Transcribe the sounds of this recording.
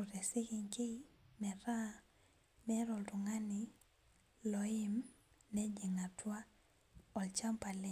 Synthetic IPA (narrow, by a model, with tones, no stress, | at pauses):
u˨ɾɛ˨sɪ˦kɪ˨ŋkɪ˦mɛ˨ɾa˦ | mɛ˦ɾɔ˨ltʊ˨ŋa˦ni˨ | lɔɪ˦mnɛ˦d͡ʒi˨ŋa˨twa˦ | ɔ˨lt͡ʃa˦mpa˨lɛ˨